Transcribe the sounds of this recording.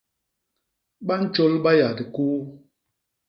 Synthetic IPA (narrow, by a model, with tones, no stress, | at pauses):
ɓa˦n̩˦t͡ʃo˦lɓa˦ja˨di˨kuː˦